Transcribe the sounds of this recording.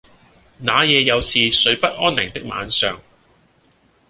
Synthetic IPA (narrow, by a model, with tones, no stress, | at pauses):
naː˨˥jɛː˨˧jɐ˨˧wsiː˨˧sɵ˨˧ɥpɐ˥t̚ʔɔː˥nːɪ˨˩ŋt̪ɪ˥k̚ma̰ː˨˥nsœː˨ŋ